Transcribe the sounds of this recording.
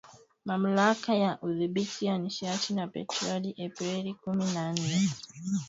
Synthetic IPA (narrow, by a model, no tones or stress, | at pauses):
mam̩lakajaʔuðiɓitʰijaniʃatʰinapɛ̰tɾɔliʔɛpɾɛlikuminan̩nɛ